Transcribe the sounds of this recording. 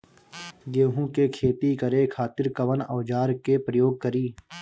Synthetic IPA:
ɡ̪eːɦũkekʰeːt̪ikəɾekʰaːt̪ɪɾkəʋənɐːd͡ʒaːɾkepɾəjoːɡ̚kəɾiː

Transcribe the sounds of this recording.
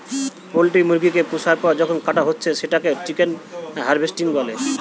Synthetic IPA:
polʈimuɾɡikepusʰaɾpɔd͡ʑɔkʰonkaʈaɦotːɕʰeʃeʈaket͡ɕikenɦaɾbesʈiŋbɔle

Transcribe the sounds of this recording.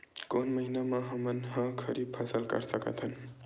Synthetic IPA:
konmʌɦinamaɦʌmʌnɦʌ̃kʰʌɾib̚pʰʌsəlkʌ̰ɾsʌkʌ̰t̪ʰʌn

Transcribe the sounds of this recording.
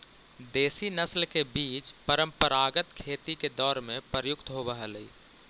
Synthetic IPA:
d̪eːsinəslkebiːt͡ʃpəɾə̃mpəɾaːɡət̪kʰeːt̪iked̪ɔːɾmẽpəɾəjʊkt̪ɦobəɦələiː

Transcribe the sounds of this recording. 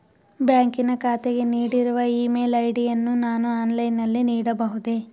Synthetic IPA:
bjaːŋkinɐkaːt̪eɡe̞niːɽiɾuʋɐiːmeːlɐjɽijɐnːunaːnuaːnlɐjnːɐlːiniːɽɐbɐɦud̪e

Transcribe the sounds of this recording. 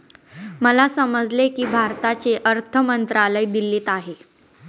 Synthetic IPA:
məlasəməd͡zlekiːbʱaɾt̪at͡seʔəɾt̪ʰəmənt̪ɾaləid̪ilːeːt̪aɦe

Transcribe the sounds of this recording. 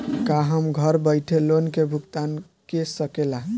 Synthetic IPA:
kaɦəmɡʱəɾbəɪʈʰelonkebʱuɡt̪an | kesəkelaɦ

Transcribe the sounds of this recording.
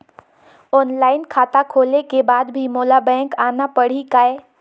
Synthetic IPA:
ɔːnlaːɪnkʰaːt̪akʰoːlekebaːd̪bʱimoːlabɛ̃ːŋkaːnapəɽ̤ikaːe

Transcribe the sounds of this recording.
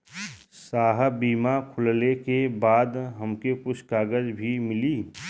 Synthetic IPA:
saːɦbiːmakʰʊllekebaːd̪ɦəmkekʊt͡ʃʰkaːɡəd͡ʒbʱimɪliː

